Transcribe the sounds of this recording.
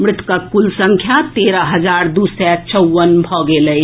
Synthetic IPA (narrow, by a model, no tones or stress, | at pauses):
mɾɪt̪kakulsəŋkʰjat̪eɾəɦəd͡ʒaɾd̪usɛt͡ʃəwːənbʱɔɡeləj